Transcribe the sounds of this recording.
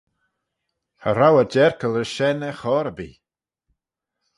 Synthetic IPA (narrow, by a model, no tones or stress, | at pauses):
hə̰ɾawəd͡ʒɛɹkəlˠəʃɛnɛxɔɾəbḭː